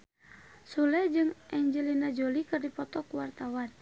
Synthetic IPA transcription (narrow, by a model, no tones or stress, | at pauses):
sulɛd͡ʒɨŋʔɛɲd͡ʒɛlinad͡ʒolikɨrdipɔt̪ɔkuwart̪awan